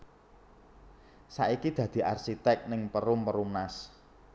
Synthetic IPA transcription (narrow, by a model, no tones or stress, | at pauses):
sa̰ʔikid̪̥ä̤d̪̥i̤ʔarsit̪ɛk̚nɪŋpəɾʊmpəɾumnas